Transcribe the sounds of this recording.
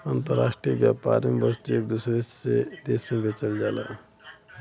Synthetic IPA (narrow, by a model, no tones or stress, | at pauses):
ənt̪əɾa̰ːsʈɾiəbjaːpa̰ːɾmebəst̪iekd̪usɾeed̪eːsmẽbʱet͡ʃəld͡ʒaːla̰